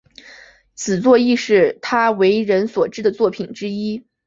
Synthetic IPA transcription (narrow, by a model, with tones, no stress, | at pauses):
t͡sʰɹ̩˨˩t͡swɔ˥˧i˥˧ʂɻ̩˥˩t̪ʰa˥we˧˥ɪɻə˧˥nswɔ˨˩ʈ͡ʂɻ̩˥d̪ə˨t͡swɔ˥˩pʰi˨˩nʈ͡ʂɻ̩˥i˥